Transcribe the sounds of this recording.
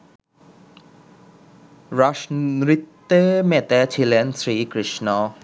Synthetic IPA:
ɾaʃɾit̪ːemet̪et͡ɕʰilensɾikɾiʃnɔ

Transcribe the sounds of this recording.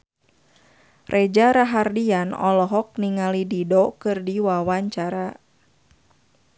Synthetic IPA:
rʔed͡ʒaɾaɦardianɔ̰lɔɦɔk̚niŋalididɔkɨrdiwawaɲt͡ʃaɾa

